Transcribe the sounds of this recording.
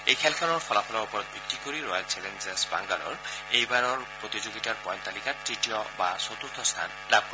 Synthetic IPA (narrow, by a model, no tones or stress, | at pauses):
ejkʰalkʰalɔɾpʰɔlapʰɔlaupɔɾɔt̪̚bʱikt̪ikoɾiɾɔak̚t͡ʃelend͡ʒesba̰ŋɡalɔ̰ɾejbaɾɔɾpɾot̪id͡ʒoɡiʈaɾpɔjnt̪alikaʈɾiʈiɔbasɔt̪uɾt̪ʰɔst̪ʰa̰n | lab̚k